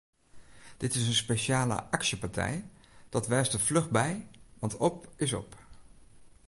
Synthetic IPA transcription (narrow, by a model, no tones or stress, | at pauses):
d̥ɪtɪsənspejʃaːlə̰ʔɑksəpɑɹtɛ̰j | d̥ɑtʋɛjstəvlɵχbɛjʋɑntɔpɪsɔ̰p